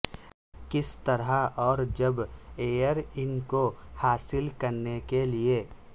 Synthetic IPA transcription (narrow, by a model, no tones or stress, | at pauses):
kɪst̪ɐɾaɔːɾd͡ʒɐbeːjəɾɪnkohaːsɪlkɐɾnekelie